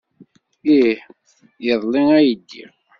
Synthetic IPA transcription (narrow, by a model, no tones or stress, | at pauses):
i | jəðˤliŋæjəd̪ːḭ